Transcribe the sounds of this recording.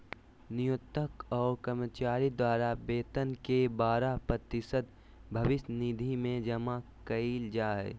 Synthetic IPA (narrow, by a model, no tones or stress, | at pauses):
nɪjʊt̪ːəkɔːɾkəɾmət͡ʃaːɾid̪waːɾabeːt̪ənkebaːɾapɾət̪ɪʃəd̪ | bʱɐʋɪsnid̪ʱimẽd͡ʒɐmakɐiːld͡ʒaːɦɛ̰ː